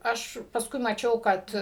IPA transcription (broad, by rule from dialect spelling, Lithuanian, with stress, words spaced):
ˈɐʃ pɐsˈkʊɪ mɐˈt͡ʃʲɛʊ ˈkɐt